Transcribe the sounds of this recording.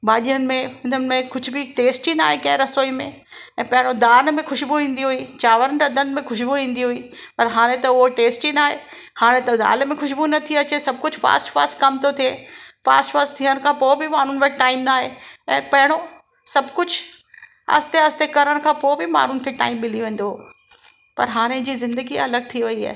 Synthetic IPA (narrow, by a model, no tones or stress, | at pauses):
baːɗijənɪ̆mẽɦɪnənɪ̆mẽkʊd͡ʑʱbʱiʈeːsʈina̰ːɦekɛːɾɐsoːimẽ | ɛ̃ːpɐɦɪɽ̃od̪aːlmẽxʊʃbuɦĩːn̆d̪iɦuit͡ɕaːʋəɾənɾɐd̪ʱənɪ̆mẽxʊʃbuɦĩːn̆d̪iɦuiːpɐɾɦaːɽ̃ẽt̪ɐʊɦoʈeːsʈinaːɦeː | haːɽ̃ẽt̪ɐd̪a̰ːlmẽxʊʃbunɐt̪ʰiɐt͡ɕesɐb̚kʊd͡ʑfa̰ːsʈfa̰ːsʈkɐmt̪ot̪ʰieːfa̰ːsʈfaːst̪ʰiːəɽ̃kʰãːpoːbʱimaːn̤ʊnʋɐʈʈaːɪmnaːɦeɛ̰̃ːpɐɦɪɽ̃o | sɐbkʊd͡ʑʱ | a̰ːst̪eaːst̪ekɐɾəɽ̃kʰãːpoːbʱɪma̰ːn̤ʊnɪ̆kʰeːʈa̰ːɪmːɪliʋẽːn̆d̪oɦ | pɐɾɦaːɽ̃ẽd͡ʑiːzɪ̃nd̪əɡiɐ̰ləɡ̚t̪ʰiʋɐia̰ːɦ